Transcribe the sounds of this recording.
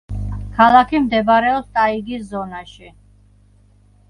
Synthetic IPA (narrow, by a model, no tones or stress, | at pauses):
kʰalˠakʰimd̪ɛbɾɛɔpst̪ʼaiɡiszɔnaʃi